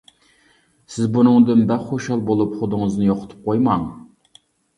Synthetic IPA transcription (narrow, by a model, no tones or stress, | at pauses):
sɪzbunɨŋd̪ɨnbæχoʃɑlˠbolˠupχʊd̪ɨŋɨznɨjoqʰʊ̥t̪ʰʊ̥p̚qʰojmɑŋ